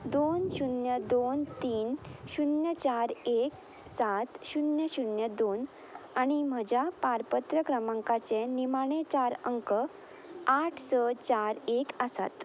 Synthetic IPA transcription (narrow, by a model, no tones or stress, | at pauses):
d̪onɕunjəd̪ont̪iːnɕunjət͡ɕaɾek | sat̪ɕunjəɕunjəd̪on | aɽ̃im̤əd͡ʑʱjapaɾpət̪ɾəkɾəmãŋkat͡senimaɽ̃et͡ɕaɾəŋkə | aʈʰsət͡ɕaɾekəsa̰t̪